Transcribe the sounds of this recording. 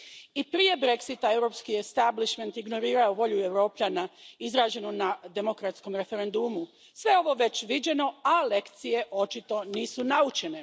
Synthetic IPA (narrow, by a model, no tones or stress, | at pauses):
ipɾije̞bɾe̞ksit̪ae̞wɾo̞pskiest̪abliʃment̪iɡno̞ɾiːɾaoʋo̞ʎue̞ʋɾo̞ːpʎanaizɾaːd͡ʑe̞nunad̪e̞mo̞kɾat̪sko̞mɾe̞fe̞ɾe̞nd̪umu | sʋe̞o̞ʋo̞ʋe̞t͡ɕʋid͡ʑe̞no̞ale̞kt̪sije̞ʔo̞t͡ʃit̪o̞niːsunaut͡ʃe̞ne̞